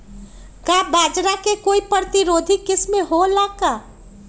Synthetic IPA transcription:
kabad͡ʒɾakekoipəɾt̪iɾod̪ʱikɪsmeɦolaka

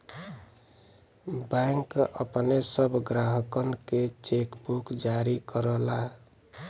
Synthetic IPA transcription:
bɛ̃ŋkə̰pnesəbʱɡɾaɦəkənket͡ʃekbukd͡ʒaɾikəɾəla

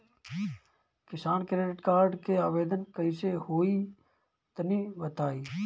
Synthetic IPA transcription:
kɪsaːnkɾeːɖɪʈkaːɾɖkeaːʋeːd̪ənkəisehoːi | t̪ɐnibət̪aːiː

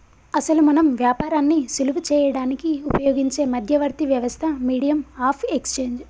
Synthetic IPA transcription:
ɐsɐlumɐnɐmʋjaːpaːɾaːnːisulʋut͡ʃɛːjɐɽaːnikiupɐjoːɡiɲt͡ʃe̞ːmɐd̪ʱjɐʋɐɾt̪iʋjɐʋɐst̪ʰɐmiːɽijɐmaːpʰekst͡ʃe̞ːɲd͡ʒ

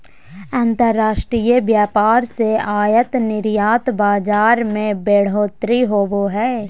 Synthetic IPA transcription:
ãːnt̪əɾːaːʃʈɾijəʋjaːpaːɾseaːjət̪nɪɾjaːt̪baːd͡ʒaːɾmẽbeːɽ̤oːt̪ɾiɦoːboɦɛː

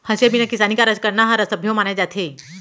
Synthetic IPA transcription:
həsebinakisaniːkaɾət͡ɕkəɾnaɦaɾəsəbʱjomanad͡ʑat̪ʰe

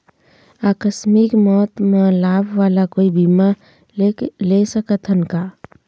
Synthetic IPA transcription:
aːkəsmɪkmɔːt̪mãlaːbʱʋaːlakoːibima | lesəkət̪ɦənka

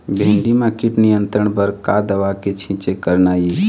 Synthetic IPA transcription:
bʱẽnɖ̪imãkiʈnijənt̪ɾəɳ̃bəɾkad̪əʋaket͡ʃʰĩt͡ʃekəɾnaːji

